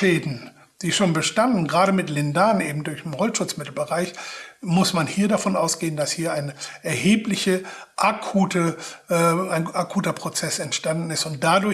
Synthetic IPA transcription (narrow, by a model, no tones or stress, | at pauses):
ʃeːdn̩ | d̥iːʃoːnbəʃtandn̩ɡʁaːɾəmɪtlɪndaːnʔeːbm̩dʊɐçnɪnʁɔlʃʊt͡smɪtl̩bəʁaɪçmʊsmanhiːɐdafɔnʔaʊsɡ̥eːəndashiːɐaɪnəʔɛɐheːplɪçəʔakʰuːtə | aɪnakʰuːtɐpʁ̥ot͡sɛsɛntʃtandn̩ɪstʊnt̚d̥adʊɐ